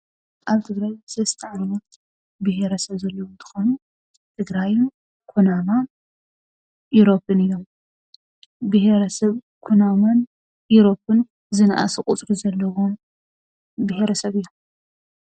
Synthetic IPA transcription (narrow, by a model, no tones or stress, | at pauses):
ʔaβt̪ʰɨɡɾajzɐst̪ʰɐʕannɐt̪ | bɨheɾɐsɐβzɐlːɐwont̪ʰɨ̥xonu | t̪ʰɨɡɾajn | kʰunama | ʔuɾo̞pːɨnɨjːo̞m | bɨheɾɐsɐβ | kʰunaman | jiɾo̞pːɨn | zɨnaʔa̰sɨkʼut͡s̪ʼɾizɐlːɐwom | bɨheɾɐsɐβɨjːom